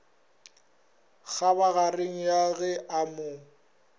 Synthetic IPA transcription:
ɣabaɣareŋ̩jaɣɛʔamʊ

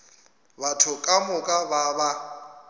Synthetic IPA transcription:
batʰʊkʼamʊkʼababa

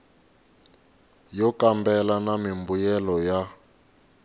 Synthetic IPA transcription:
jɔkambɛlanamimbujɛlɔja

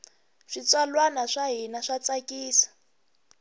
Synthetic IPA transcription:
ʂit͡swalwanaʂaɦinaʂat͡sakʼiːsḁ

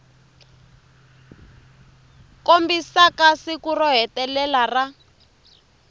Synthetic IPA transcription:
kombisakasikurɔɦɛtɛlɛlara

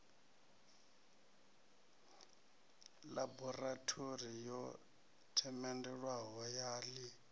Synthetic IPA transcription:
labɔratʰorijɔ | tʰɛmɛndɛɺwaɦɔjaːli

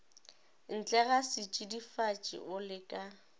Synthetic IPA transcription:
n̩t͡ɬʼɛɣasɪt͡ʃʼidifat͡ʃʼɪ̰ʔʊlɪkʼa

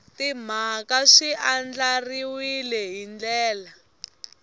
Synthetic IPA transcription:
tim̤akaʂiʔand͡ɮariwilɛɦind͡ɮɛːla

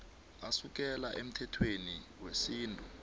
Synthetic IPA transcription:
asuk̬ɛlaʔem̩tʰɛtʰweniwesiːntʼu

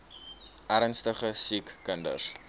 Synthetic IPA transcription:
ʔæɾnstəχəsikːəndə̰s

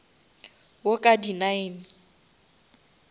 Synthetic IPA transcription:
wokʼadinaɪni

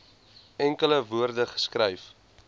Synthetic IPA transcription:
ɛŋkələvuərdəχə̥skrɛjf

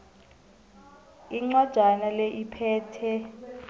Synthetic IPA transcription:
iŋ͡ǀad̥ʒ̥ʱanalɛʔipʰɛːtʰɛ

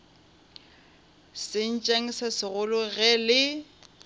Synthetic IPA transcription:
sɪn̩t͡ʃʼaŋ̩sasɪɣʊlʊɣɛlɪ

